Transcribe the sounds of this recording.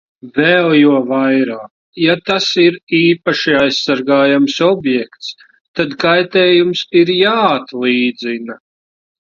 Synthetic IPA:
vɛːlˠjuɔvajɾaːk | jat̪asiɾiːpaʃiajsːaɾɡaːjamsɔbjɛkt̪s | t̪ad̪kajt̪ɛːjumsiɾjaːat̪lˠiːd̪zina

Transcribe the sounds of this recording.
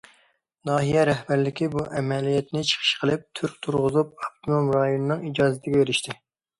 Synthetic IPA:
nɑːɦijɛɾɛhbæɾlɪkʲibuʔɛmɛlijɛt̪nɪt͡ʃʰə̥χʰə̥ʃqʰəlˠɪp̚t̪ʰyɾkʲt̪ʰuɾʁʊzup̚ɑp̚t̪ʰumomɾɑjonɨnɨŋid͡ʒɑːzɪt̪ʰɪɡʲɛbeɾɪʃt̪ʰɪ

